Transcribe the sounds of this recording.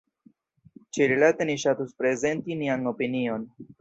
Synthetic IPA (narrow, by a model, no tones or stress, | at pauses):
t͡ʃiɾilate̞niʃatuspɾe̞ze̞ntiniano̞pinio̞n